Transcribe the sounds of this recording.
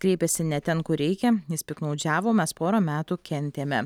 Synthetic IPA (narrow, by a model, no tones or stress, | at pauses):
kɾʲɛɪpʲɛsʲɪnʲɛt̪ʲɛnkʊɾʲɛɪkʲɛjɪspʲɪknɒʊd͡ʒʲæːʋoːmʲɛspoːɾoːmʲæːt̪ukʲɛnʲt̪ʲeːmʲɛ